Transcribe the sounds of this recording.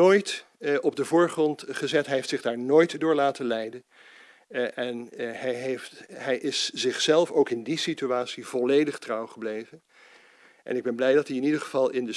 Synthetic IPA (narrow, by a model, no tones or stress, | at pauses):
ojt | ɔb̚dəvʊːɹχrɔntχəzɛtɦɛɦeftsɪχdaːɹnojtdʊːɹlaːtəlɛjdən | ɛnɦɛjɦejftɦɛjʔɪszɪχsɛlˠfowkɪndisityaːtsiv̥ɔlejdəχtrɑwχəblejvən | ʔɛ̰nɪɡ̚bɛnblɛjdɑtdiɪnidəɹχəvɑlˠɪndə